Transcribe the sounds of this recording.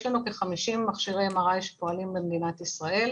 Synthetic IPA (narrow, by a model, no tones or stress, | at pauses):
ʃlanuke̞χamiʃimːaχʃiʁemaʁajʃe̥poalimbemd̪inat̪isʁaʔe̞l